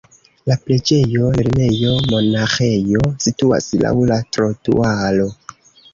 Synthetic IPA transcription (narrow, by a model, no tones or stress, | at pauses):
lapɾe̞d͡ʒe̞jo̞leɾne̞jo̞mo̞naxe̞jo̞situa̰sla̰wlatɾotṵalo̞